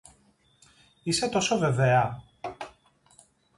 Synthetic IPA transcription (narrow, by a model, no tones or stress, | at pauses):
ise̞t̪o̞sove̞veɐ